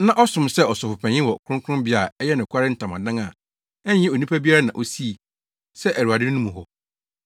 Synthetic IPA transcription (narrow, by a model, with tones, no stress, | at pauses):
nã˦ʔɔ˦sʊ̃˨msɛ˦ɔ˨sɔ˨fʊ˨pʰɛ̃˨ɲɪ̃˦wɔ˨kʰɾʊ̃˦ŋ˦kʰʊ̃˦bɪ˦a˨ɛ˦jɛ˦nɪ̃˨kʷʰa˦ɾɪ˦n̩˦tʰã˨mã̰˨dã˦ŋa˨ | ɛ˦ɲː˦ɪ̃˦˨o˨nĩ˦pʰa˦bi˦a˦ɾa˦nã̰˨ʔo˦si˦˨ | sɛ˦ʔæ˨ɾu˨a˨dɪ˦nũ˦mũ˨ɦɔ˨